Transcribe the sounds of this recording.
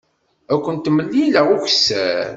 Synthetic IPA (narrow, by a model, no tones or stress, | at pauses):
ækʷːənt̪ːmːəlːiləʁuçsæ